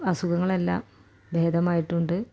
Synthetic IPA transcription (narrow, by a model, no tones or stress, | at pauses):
ɐsuɡɐŋːɐɭe̞lːa̰ːm | bʱeːd̪ʱɐmaːjiʈːuɳɖɨ